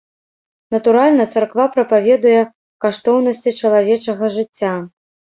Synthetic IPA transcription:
nɐt̪uɾalʲnɐt̪sɐrkvapɾɐpavʲɛd̪ujɛ | kaʂt̪ɔwn̪ɐsʲt͡sʲit͡ʂɐlˠavʲɛt͡ʂɐɣɐʐɨt͡sʲːa

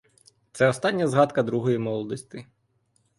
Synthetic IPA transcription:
t̪sɛɔst̪ɑnʲːɐzɦɑt̪kɐd̪ɾuɦɔjimɔlˠɔd̪ɔsʲt̪ʲɪ

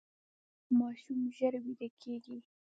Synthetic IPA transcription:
mɑʃumʒəɾwid̪akʰeɡi

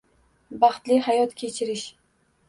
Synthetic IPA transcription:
bɑχt̪lɪhajɒt̪kʲʰe̞t͡ʃʰɪɾɪʃ

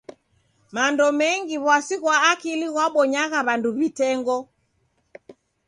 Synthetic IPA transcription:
mandɔmɛŋɡiβwasiɣwaːkiliɣwaɓɔɲaɣaβanduβitɛŋɡɔ

